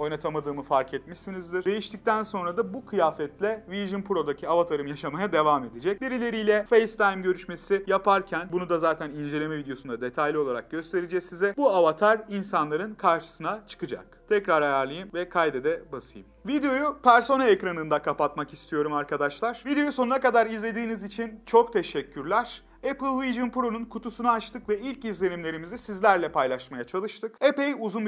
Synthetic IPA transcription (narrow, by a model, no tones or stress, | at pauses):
o̞jnat̪ʰamad̪ɯːmɯfaɾkʰɛt̪miʃsinizd̪iɾ̥d̪e̞jiʃt̪ic̚t̪ʰænso̞nɾad̪abukʰɯjaːfɛt̪lʲɛviʒɯnpʰuɾo̞d̪acʰiavat̪ʰaɾɯmjaʃamajad̪e̞vaːme̞d̪id͡ʒɛc̚biɾilʲe̞ɾijlʲɛfejst̪ʰajmɟø̞ɾyʃme̞sijapʰaɾcʰænbunud̪azaːt̪ʰænind͡ʒe̞lʲe̞mɛvid̪ejo̞sund̪ad̪e̞t̪ʰajlʲio̞lˠaɾak̚ɟø̞st̪ʰe̞ɾid͡ʒɛsizɛbuavat̪ʰaɾinsanlˠaɾɯnkʰaɾʃɯ̥sɯnat͡ʃʰɯ̥kɯd͡ʒa̰k̚t̪ʰɛcɾaɾajaɾlˠɯjɯmvɛkʰajd̪ed̪ɛbasɯjɯmvid̪ejo̞jupʰæɾso̞naecɾanɯnd̪akʰapat̪makist̪ʰijo̞ɾumaɾkʰad̪aʃlˠaɾ̥vid̪eo̞jusonunakad̪aɾizlʲe̞d̪iːnizit͡ʃʰint͡ʃʰo̞kt̪ʰe̞ʃɛcʰːyɾlʲæɾ̥ | epɯlˠviʒɯnpɾo̞nunkʰut̪ʰusunaat͡ʃt̪ʰɯkvɛilʲcizlʲe̞nimlʲe̞ɾimizisizlʲæɾlʲɛpʰajlˠaʃmajat͡ʃʰalˠɯʃt̪ʰɯkepejuzun